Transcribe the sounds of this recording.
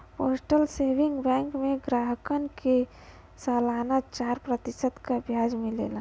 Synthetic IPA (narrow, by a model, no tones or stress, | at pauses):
poːsʈəlseːʋɪ̃ŋɡbɛ̃ːŋkmẽɡɾaːɦəkənke | salaːnat͡ʃaːɾpɾət̪ɪsəd̪kabʱjaːd͡ʒmẽlḛːla